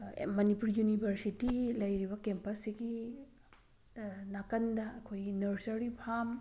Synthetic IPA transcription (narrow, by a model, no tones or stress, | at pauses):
mɐnipuɾjunibʱɐɾsitilɐjɾibɐkempɐsiɡi | nakɐndɐːkʰojɡinɐɾsɐɾipʰam